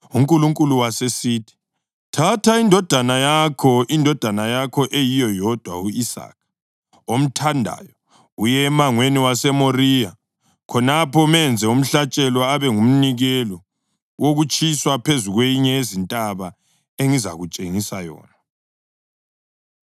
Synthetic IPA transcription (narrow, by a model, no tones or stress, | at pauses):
uŋkʼuluŋkʼuluwasesiːtʰi̥ | tʰatʰaindʱɔd̥ʱanajakʰɔʔindʱɔd̥ʱanajakʰɔʔejijɔjɔd̥ʱwa̰uisa̰ːk̚ʰ | om̩tʰandʱa̰jɔ | ujɛmaŋweniwasɛmorija | kʰɔnapʰɔmɛnd͡zʱɛum̩ɬat͡ʃʼɛlɔaβɛŋum̩niɣɛlɔ | woɣut͡ʃʼʰiswapʰezuɣwejiɲɛezintʼaβa | eŋiza̰ɣut͡ʃʼeŋisajɔ̰ːna